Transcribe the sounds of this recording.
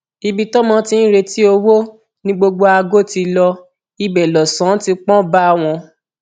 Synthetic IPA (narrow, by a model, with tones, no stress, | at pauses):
i˧bi˧tɔ˦mɔ̃˧˦tĩ˧n̩˦ɾe˧ti˦o˧wo˦ | nĩ˦ɡ͡bo˧ɡ͡bo˧a˧ɡo˦˨ti˧lɔ˧ | i˧bɛ˨lɔ˨sã˨˦ti˧k͡pɔ̃˦ba˦˧w̃ɔ̃˧